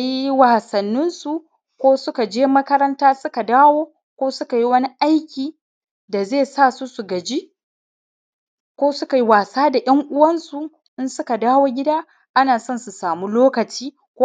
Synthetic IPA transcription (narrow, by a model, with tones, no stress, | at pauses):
kji˦waː˨sɐ˨nːɪ˦nsu˨ | kʷoː˦sʊ˦ka˨d͡ʒeː˦mɐ˦kɐ˦ɾɐ˦ntaː˦sʊ˦ka˨daː˦woː˦ | kʷoː˦sʊ˦ka˨ji˦wɐ˦ni˦ʔa˦jkʲiː˨ | da˨zeː˦˨saː˦˨su˦su˨ɡɐ˨d͡ʒi˦ | kʷoː˦sʊ˦ka˨ji˦waː˨saː˦da˨jɐ˦ŋʔʊ˦wɐ˦nsu˨ | ʔɪ˦nsʊ˦ka˨daː˦woː˦ɡʲɪ˦daː˦ | ʔa˦naː˨sɐ˦nsu˨saː˨mu˦loː˦kɐ˨t͡ʃiː˦ | kː